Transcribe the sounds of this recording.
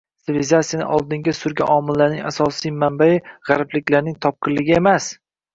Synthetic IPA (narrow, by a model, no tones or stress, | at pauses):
sɪlɪzat̪sijanɪ̰ʔɒlˠd̪ɪŋɡʲasʊɾɡʲa̰ʔɒmɪlːaɾnɪ̰ŋʲasɒsijmambajɪʁɑɾplɪkʲlaɾnɪŋt̪ʰɒp̚qʰɨllːɪɡʲɪe̞mas